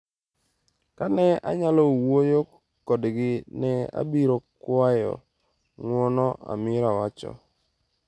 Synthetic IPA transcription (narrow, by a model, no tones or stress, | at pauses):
kanɛa̰ɲalɔwojo | kɔdɡɪnɛa̰biɾokwajɔ̰ | ŋwɔnɔa̰mɪɾawat͡ʃɔ̰